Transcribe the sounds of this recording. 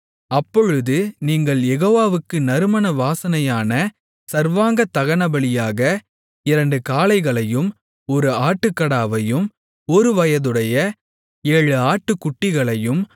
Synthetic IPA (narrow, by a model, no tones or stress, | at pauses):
ɐpːɔɻɯðɯniːŋɡɐɭjɛɣoːʋaːʋɯkːɯnɐɾɯmɐnɐʋaːsɐnɐjaːnɐ | sɐɾʋaːŋɡɐt̪ːɐɣɐɳɐbɐɭɪjaːɣɐ | ɪɾɐɳɖɯkaːlɐɪɣɐɭɐjɯm | ɔɾɯaːʈːɯkːɐɽaːʋɐjɯm | ɔɾɯʋɐjɐðɯɽɐjɐ | eːɻɯaːʈːɯkːʊʈːɪɣɐɭɐjɯm